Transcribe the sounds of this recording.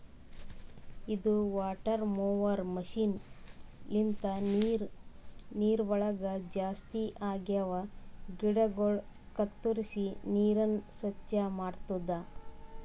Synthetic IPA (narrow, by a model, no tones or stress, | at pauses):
id̪uʋaːʈɐɾmoːʋɐɾmɐʃiːn | int̪ɐɾ | niːɾʋɐɭɐɡɐd͡ʒaːst̪iʔaːɡjɐʋɐɡiɽɐɡoɭ | kɐt̪ːuɾisiniːɾɐnsʋɐt͡ʃːɐmaːɽt̪ud̪ːɐ